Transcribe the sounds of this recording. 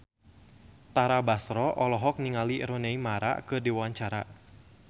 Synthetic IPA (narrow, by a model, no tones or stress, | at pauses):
t̪aɾabasɾɔʔɔlɔɦɔk̚niŋaliɾoneimaɾa̰kɨdiwwaɲt͡ʃaɾa